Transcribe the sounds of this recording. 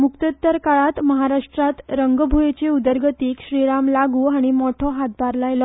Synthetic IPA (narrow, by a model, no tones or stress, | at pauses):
mukt̪ət̪ːəɾkaɭat̪məɦaɾaʂʈɾat̪ɾəŋɡbʱujet͡ɕeud̪əɾɡət̪iːkɕɾiɾamlaɡuːaɽ̃imɔʈʰɔɦat̪̚baɾlajlɔ